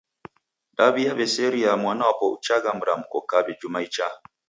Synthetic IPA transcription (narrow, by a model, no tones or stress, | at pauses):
ɗabijabeseɾijamanaapoʔṵt͡ʃaɡamɾamkokːabed͡ʒumajt͡ʃa